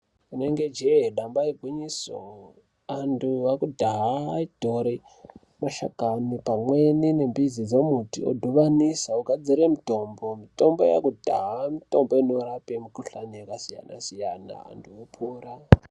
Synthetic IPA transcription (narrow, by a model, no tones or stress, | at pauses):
ine̞ŋɡe̞d͡ʒeɗambaeɡʱwiɲiso̰ | anduʋakudʱaɦaid̥ʱoɾi | maʃa̰kanipamwe̞nine̞mbizid͡zemutḭo̰dʱuʋanisaukad͡ziɾemito̞mbo̞mito̞mbo̰ja̰kudʱaɦamito̞mboinoɾapemikuɬanijekasija̰na̰sijana̰a̰nduopʰuːra